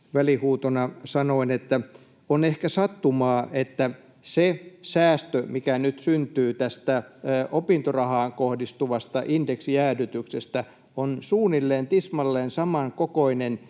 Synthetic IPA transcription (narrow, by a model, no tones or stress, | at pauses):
ʋælihuːt̪onɑsɑnoinet̪ːæ | onehkæsɑt̪ːumɑːʔet̪ːæ | sesæːst̪ømikænyt̪synt̪yːt̪æst̪æʔopint̪orɑhɑːŋkohdist̪uʋɑst̪ɑʔindeksijæːdyt̪yksest̪æ | onsuːnilːeːnt̪ismɑlːeːnsɑmɑŋkokoinen